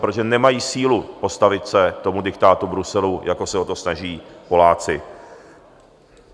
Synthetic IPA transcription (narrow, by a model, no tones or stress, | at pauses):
pɾooʒɛnɛmajiːsiːlupo̞st̪avɪt̪sɛt̪o̞mudɪkt̪aːt̪ubɾusɛlujʔako̞sɛɦot̪o̞snaʒiːpo̞laːt͡sɪ